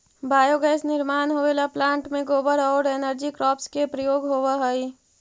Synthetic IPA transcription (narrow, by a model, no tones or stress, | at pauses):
baːjoɡɛːsnɪɾmaːnɦoʋeːlaplãːɳʈmẽɡoːbəɾɔːɾeːnəɾd͡ʒikɾɔːpskepɾəjoːɡɦoːʋaɦəi